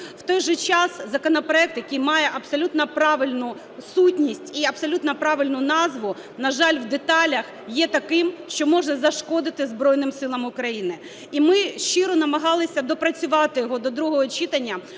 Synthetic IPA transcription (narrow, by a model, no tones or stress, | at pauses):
w̥t̪ɔjʒɛt͡ʃɑszɐkɔnɐpɾɔɛk̚t̪jɐkijmɑjɛʔɐbsɔlʲut̪nɐpɾɑʋɪlʲnʊ | sutʲnʲisʲtʲiɐbsɔlʲut̪nɐpɾɑʋɪlʲnʊnɑzʋʊ | nɐʒɑlʲwd̪et̪ɑlʲɐx | jɛt̪ɐkɪmʃt͡ʃɔmɔʒnɐzɐʃkɔd̪ɪt̪ɪzbɾɔjnɪmsɪlˠɐmʊkɾɐjinɪ | imɪʃt͡ʃɪɾɔnɐmɐɦɑlˠɪsʲɐd̪ɔpɾɐt͡sʲʊʋɑt̪ɪjɔɦɔd̪ɔd̪ɾuɦɔɦɔt͡ʃit̪ɐnʲːɐ